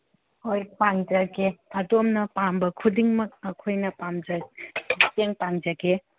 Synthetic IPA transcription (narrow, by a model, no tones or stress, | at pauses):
hojpaŋd͡ʒɐɡeɐdomnɐpambɐkʰudiŋmɐk̚ɐkʰojnɐpamd͡ʒɐ | teŋpaŋd͡ʒɐɡe